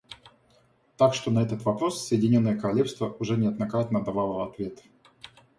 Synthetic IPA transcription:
t̪akʂt̪o̞nɐɛt̪ət̪vɐpɾo̞sːəjɪdʲɪnʲo̞nːəjəkəɾɐlʲe̞fst̪vəʔʊʐɛnʲɪɐd̪nɐkɾat̪nəd̪ɐvalˠəɐt̪vʲe̞t̪

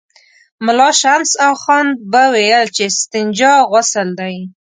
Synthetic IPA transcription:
mʊlɑʃamsaxɑn̚bəwejəlt͡ʃest̪ɪnd͡ʒɑɣasəld̪aj

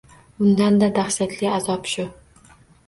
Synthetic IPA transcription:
ʊnd̪and̪ad̪aχʃat̪ʰlɪazɒpʃʊ

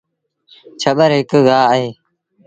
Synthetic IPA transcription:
t͡ʃʰəɓəɾɦɪkɡaːəɦeː

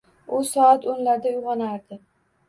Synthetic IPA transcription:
ʊsɒat̪onlaɾd̪aʊjʁɒnaɾd̪ɪ

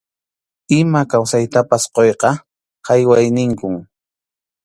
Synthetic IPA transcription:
ɪmakawsajt̪apasqojqɑ | hɑjwajnɪŋkʊŋ

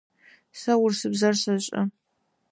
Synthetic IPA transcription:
sɐwʊrsɨbzɐrɕɐɕʼɐ̰

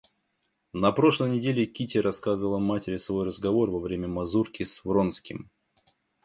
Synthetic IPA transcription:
nɐpɾo̞ʂlˠəjnʲɪdʲelʲɪkʲitʲɪɾɐskazɨvəlˠəmatʲɪɾʲɪsvo̞jrəzɡɐvo̞rvɐvɾʲemʲəmɐzurkʲɪsvɾo̞nskʲɪm

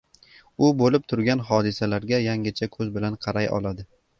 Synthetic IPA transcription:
ʊbolɪp̚t̪ʰʊɾɡʲanɦɒd̪ɪsalaɾɡʲajaŋɪt͡ʃʰakʰɵzbɪlanqʰɑɾajɒ̰lˠad̪ɪ

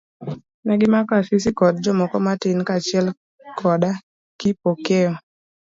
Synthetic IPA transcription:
nɛɡɪmakafisɪkɔd̚d͡ʒɔmɔkɔmatɪnkat͡ʃɪɛl | kʰɔda | kɪpokeɔ

